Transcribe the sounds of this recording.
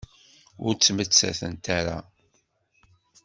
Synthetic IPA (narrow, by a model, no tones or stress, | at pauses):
ʊɾt͡sːmət͡sːæ̰θənt̪aɾa